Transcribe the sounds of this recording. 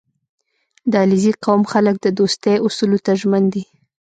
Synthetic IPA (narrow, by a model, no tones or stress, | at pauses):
d̪ɑlɪziqawmxalək̚d̪əd̪ost̪ejʊsulot̪aʒmand̪i